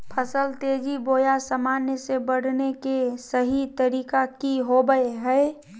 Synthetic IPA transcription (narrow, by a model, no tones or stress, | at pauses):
pʰəsəlt̪eːd͡ʒiboːjasəmaːnjəsebəɽ̤nekesəɦit̪əɾiːkakiɦobəeɦɛe